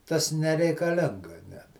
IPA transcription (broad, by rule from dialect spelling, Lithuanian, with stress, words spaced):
ˈtɐs nʲɛrʲɛɪkɐˈlʲɪŋɡɐ nʲɛt